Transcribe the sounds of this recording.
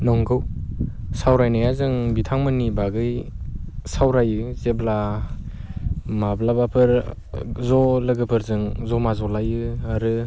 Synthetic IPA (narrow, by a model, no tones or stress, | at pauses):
nɔŋɡʰɯw | sawɾajnajazɯŋbitʰaŋmɯnibaɡɯj | sawɾajɯzebla | mablabapʰɯɾ | zɔlɯɡɯpʰɯɾzɯŋzɔmazɔlajɯaɾɯ